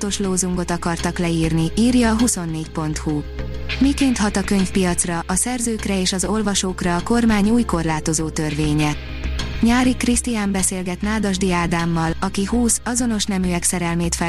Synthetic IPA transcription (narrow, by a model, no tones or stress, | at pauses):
t̪o̞ʃloːzuŋɡo̞t̪ɒkɒrt̪ɒklɛiːrniiːrjɒːɦuso̞nːeːcpo̞nt̪hu | mikeːnt̪ɦɒt̪ɒkø̞ɲfpijɒt̪srɒʔɒsɛrzøːkrɛeːʃɒzo̞lvɒʃoːkrɒːko̞rmaːɲuːjko̞rlaːt̪o̞zoːt̪ørveːɲɛ | ɲaːɾikrist̪ijaːmbɛseːlɡɛt̪naːd̪ɒʒd̪iaːd̪aːmːɒlɒkihuːsɒzo̞no̞ʃnɛmyɛksɛɾɛlmeːt̪fɛ